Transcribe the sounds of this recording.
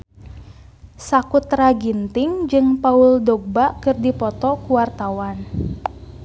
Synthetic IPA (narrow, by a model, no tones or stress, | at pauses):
sakut̪raɡint̪ɪŋd͡ʒɨŋpauldɔɡ̚bakɨrdipɔt̪ɔkuwart̪awan